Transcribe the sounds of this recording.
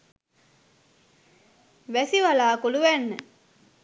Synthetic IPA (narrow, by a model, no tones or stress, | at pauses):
ʋæsiʋalaːkuluʋænːə̰